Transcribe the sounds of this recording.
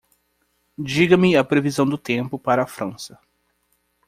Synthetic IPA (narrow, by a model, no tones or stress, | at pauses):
d͡ʒiɡɐmɪɐpɾevizɐ̃w̃d̪ʊt̪ẽmpʊpaɾɐːfɾɐ̃sɐ